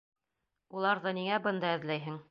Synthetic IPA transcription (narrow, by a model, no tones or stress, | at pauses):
ulˠɑɾðɤniŋæbɤnd̪ɑɘ̆ðlæjɦɘŋ